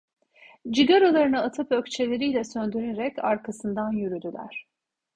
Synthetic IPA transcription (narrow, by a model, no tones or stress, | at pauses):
d͡ʒiɡaɾolˠaɾɯnɯat̪ʰɯpøcʲt͡ʃʰe̞lʲe̞ɾijlʲɛsønd̪yɾeɾɛcaɾkʰasɯnd̪anjyɾyd̪ylʲæ̰ɾ̥